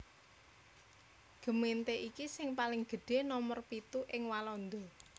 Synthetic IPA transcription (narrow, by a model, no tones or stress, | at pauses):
ɡ̥ə̤ment̪eʔikisɪŋpalɪŋɡ̥ə̤ɖ̥e̤nɔmɔrpit̪uʔɪŋwalɔnd̪ɔ